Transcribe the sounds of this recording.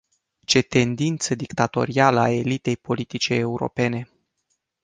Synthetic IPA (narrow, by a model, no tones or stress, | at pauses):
t͡ʃe̞t̪e̞nd̪int̪səd̪ikt̪at̪o̞̰ɾialəae̞lit̪e̞jpo̞lit̪it͡ʃeːuɾo̰pe̞ne̞